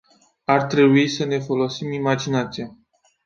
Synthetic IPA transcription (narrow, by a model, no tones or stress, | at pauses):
art̪ɾe̞buisəne̞fo̞lo̞simimad͡ʒinat̪sija